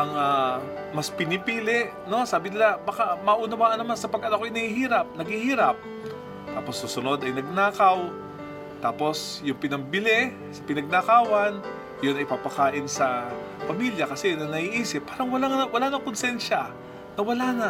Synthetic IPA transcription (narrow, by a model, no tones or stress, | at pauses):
ʔɐŋaː | mɐspɪnɪpiːlɛʔ | no̞saːbɪnɪlabɐkamɐʔuːnɐwaːʔɐnːɐmansɐpɐɡɐnɐkojnɐhihiːɾɐp̚nɐɡhɪhiːɾɐp̚ | t̪aːposːusʊno̞d̪ɐjnɐɡ̚naːkɐw | t̪aːpo̞sjʊŋpɪnɐmbɪlɛ | sɐpɪnɐɡ̚nakaːwɐn | jonɐjpapɐkaːʔɪnsɐ | pɐmiljɐkɐsɛnɐnɐhiʔiːsɪpːaːɾɐŋwɐlaŋɐwɐlaːnɐŋkonsɛnʃɐ | nɐwɐlaːnɐ